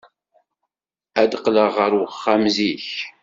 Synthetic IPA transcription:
æd̪qləʁəɾwəχːamziç

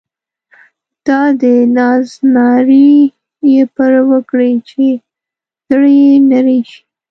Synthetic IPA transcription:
d̪̥ɑd̪ənɑznɑɾi | jepəɾwəkɽit͡ʃe | z̥ɽejenaɾeʃi̥

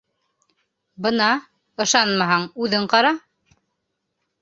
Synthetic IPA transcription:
bɤ̆nɑ | ɤ̆ʃɑnmɑɦɑɴʉðɘɴqɑɾɑ

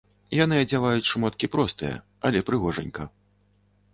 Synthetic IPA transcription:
janɨɐd͡zʲavajut͡sʲʂmɔt̪̚kʲipɾɔst̪ɨjɛ̰ | ɐlʲɛpɾɨɣɔʐɐ̰nʲkɐ

